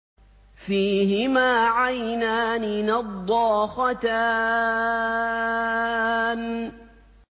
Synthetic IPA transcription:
fiːɦɪmaːʕajnaːnɪnɑd̪ˤːɑːxɑt̪aː | n

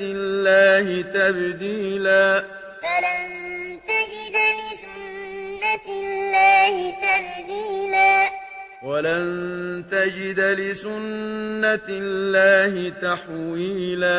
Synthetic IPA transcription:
ɪlːaːhɪt̪abd̪iːlaː | falant̪ad͡ʒɪd̪lɪsʊnːallːaːhɪt̪abd̪iːlaː | walant̪ad͡ʒɪd̪lɪsʊnːallːaːhɪt̪aħwiːlaː

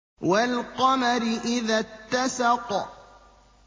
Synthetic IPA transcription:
walqɑmaɾɪʔɪðat̪ːasɑq

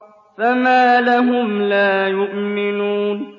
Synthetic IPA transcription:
famaːlaɦʊmlaːjʊʔmɪnuːn

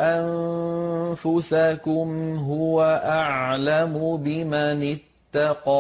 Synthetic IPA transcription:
ʔan | fʊsakʊmɦʊwaʔaʕʕlamʊbɪmanɪt̪ːɑqɑː

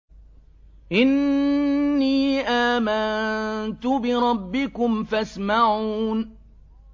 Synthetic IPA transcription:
ʔɪnː | iːʔaːmant̪ʊbɪɾˤɑbːɪkʊmfasmaʕuːn

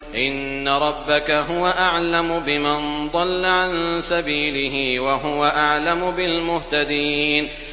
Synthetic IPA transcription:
ʔɪnːaɾˤɑbːakaɦʊwaʔaʕlamʊbɪmand̪ˤɑlːaʕansabiːlɪɦɪwaɦʊwaʔaʕlamʊbɪlmʊht̪ad̪iːn

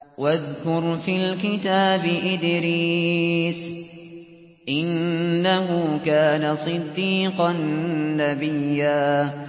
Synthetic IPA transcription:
waðkʊɾfiːlkɪt̪aːbɪʔɪd̪ɾiːs | ʔɪnːaɦʊkaːnasˤɨd̪ːiːqɑnːabɪjːaː

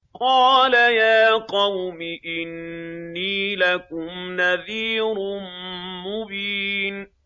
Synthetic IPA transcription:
qɑːlajaːqɑwmɪʔɪnːiːlakʊmnaðiːɾʊmʊbiːn

